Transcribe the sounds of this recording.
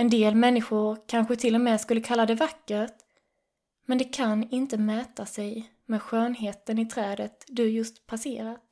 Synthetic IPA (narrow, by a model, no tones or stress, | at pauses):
ɛnd̪eːlmɛnːɪɧʊɾkʰanɧət̪ʰɪlːɔmɛːskɵlːəkʰalːad̪ɛvakːəɾt̪ | mɛnd̪ɛkʰanɪnt̪əmɛːt̪asɛj | mɛːd̪ɧøːnɦeːt̪ənɪt̪ʰɾɛːd̪ət̪d̪ɵjɵst̪pʰaseːɾat̪